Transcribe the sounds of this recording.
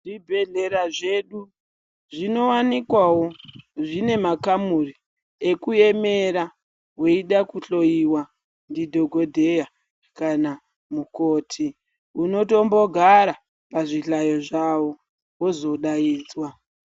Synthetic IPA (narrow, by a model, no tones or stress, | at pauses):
ʐibʱe̞ɮe̞ɾaʐe̞ɗu | ʐino̞wanikwawo̞ʐine̞makamuri | ekuje̞me̞ɾa | weiɗakuɬo̞jiwa | ndidʱoɡʱo̞dʱe̞ja | kana | muko̞ːtʰi | uno̞to̞mbo̞ɡʱaɾa | paʐiɬajo̞ʐawo̞ | wo̞zo̞ɗaiːd͡zwa